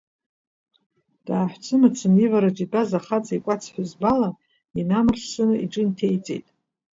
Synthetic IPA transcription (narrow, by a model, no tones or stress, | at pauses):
d̥aːħʷt͡sʰɨmat͡sʰɨmivaɾat͡ʃʷʼibʼazaχat͡sʼaikʷʼat͡sʰħazbala | inamɨrʂsɨnɨiʈ͡ʂʼɨntʰejt͡sʼḛjtʼ